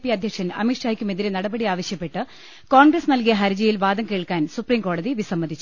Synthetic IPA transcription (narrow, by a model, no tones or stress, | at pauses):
pːiɐd̪ʱjɐkʂɐnɐ̰miʈʂaːjkʲːume̞ðiɾenɐɽɐbɐɽiaːʋɐɕjɐpːe̞ʈːɨ | koːɳɡrɐsnɐlkijɐɦɐɾɐd͡ʑɐjilʋaːd̪ɐmke̞ːɭkaːnsupriːmko̞ːɽɐðiʋisɐmːɐd̪ʱit͡ɕːu